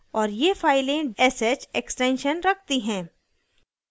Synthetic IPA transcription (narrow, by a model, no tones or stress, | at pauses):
ɔːɾjefaːɪlẽɛset͡ʃeksʈẽːnʃənɾɐk̚ʰt̪iɦɛ̃ː